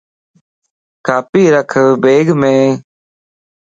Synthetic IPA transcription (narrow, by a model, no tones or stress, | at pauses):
kaːpiːɾəkʰbeːɡmẽː